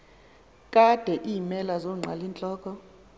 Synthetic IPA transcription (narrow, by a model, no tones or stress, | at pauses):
kʼad̥ʱɛʔiːmɛlazoŋ͡ǀʱa̰lint͡ɬʼɔːkʰʼɔ